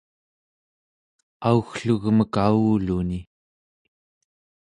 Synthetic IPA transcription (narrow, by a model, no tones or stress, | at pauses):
auxɬuɣməkauːluni